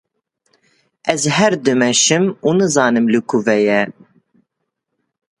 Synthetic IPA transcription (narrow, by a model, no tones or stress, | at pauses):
ʔɛzɦɛɾd̪ɨmɛʃɨmuːnɨzɑːnɨmlɨkʰuvɛjɛ